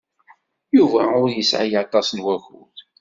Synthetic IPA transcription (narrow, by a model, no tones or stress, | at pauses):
juvæʊɾjəsʕajɑt̪ˤɑsnwæxṵθ